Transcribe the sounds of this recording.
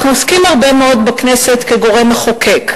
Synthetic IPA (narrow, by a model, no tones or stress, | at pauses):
noskimhaʁbe̞meo̞d̪bakneset̪keɡo̞ʁemaχokek